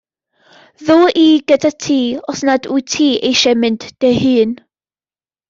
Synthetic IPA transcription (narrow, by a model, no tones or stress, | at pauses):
ðoːʔiɡ̥ədʰatʰiːɔsnadujtʰiːʔejʃɛmɪnd̥ːehɨːn